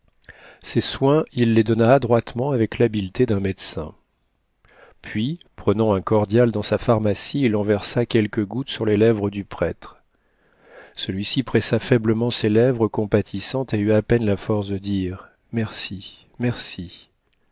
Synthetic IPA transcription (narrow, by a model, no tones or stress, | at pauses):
seswɛ̃ilːed̪ɔnaːd̪ʁwat̪mɑ̃avɛklabilt̪ed̪ɛ̃mɛd̪sɛ̰̃ | pɥipχənɑ̃ɛ̃kɔʁd̪jald̪ɑ̃safaʁmasiːlɑ̃vɛʁsakʲɛlkəɡut̪syʁlelɛvʁəd̪ypχɛt̪χ | səlɥisipχɛsafɛbləmɑ̃selɛvʁəkɔ̃pat̪ʰisɑ̃t̪eyapɛnlafɔʁsd̪əd̪iʁ | mɛʁsi | mɛʁsi